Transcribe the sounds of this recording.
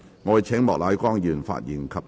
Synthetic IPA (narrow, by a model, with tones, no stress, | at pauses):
ŋɔː˨˧jt͡sʰɛ˨˥ŋmɔː˨k̚laː˨˧˥jkʷɔː˥ŋjyː˨˩nfa̰ː˧˨t̚jiː˨˩nkʰɐ˨p̚